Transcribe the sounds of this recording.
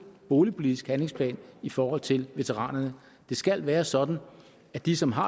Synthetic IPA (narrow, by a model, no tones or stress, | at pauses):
b̥o̝ːlipʰo̝lid̥isɡ̥hænle̝ŋspʰlɛ̰ːnifɒːhɒ̽l̰t͡sʰe̝lʋe̝t͡sʰeʁɑ̰̈ːnɐnə | d̥e̝sɡ̥æl̰ʋæːɐsɒ̽d̥n̩ | æd̥isɒ̽mɦɑ̈